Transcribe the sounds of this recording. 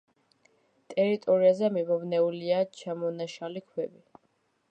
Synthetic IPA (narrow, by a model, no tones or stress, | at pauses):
t̪ʼɛɾit̪ʼɔɾiazɛmibɔvnɛuliat͡ʃʰamɔnaʃalikʰwɛbi